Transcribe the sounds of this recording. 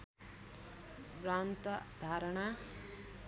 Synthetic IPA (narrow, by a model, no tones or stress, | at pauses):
ɾant̪ʌd̪ʱaɾʌɳ̃a